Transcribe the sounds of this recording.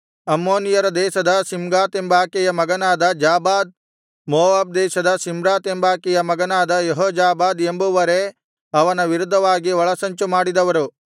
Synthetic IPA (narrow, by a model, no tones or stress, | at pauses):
ɐmːoːnijɐɾɐd̪ɛːʃɐd̪ɐsimɡaːt̪embaːkɛjɐmɐɡɐnaːd̪ɐd͡ʒaːbaːd̪̚ | moːʋaːb̚d̪ɛːʃɐd̪ɐsimɾaːt̪embaːkɛjɐmɐɡɐnaːd̪ɐjɐɦoːd͡ʒaːbaːd̪embuʋɐɾe | ɐʋɐnɐʋiɾud̪ʱːɐʋaːɡiʋɐɭɐsɐɲt͡ʃumaːɽid̪ɐʋɐɾu